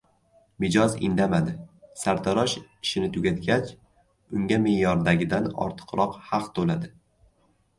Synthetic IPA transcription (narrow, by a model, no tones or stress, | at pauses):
mɪd͡ʒɒzɪ̰nd̪amad̪ɪsaɾt̪ʰaɾɒʃɪʃɪnɪt̪ʰʊɡʲat̪ɡʲat͡ʃ | ʊŋɡʲamɪjɒɾd̪aɡʲɪd̪anɒ̰ɾt̪ʰɨ̥qɾɒqhɑqt̪ʰolad̪ɪ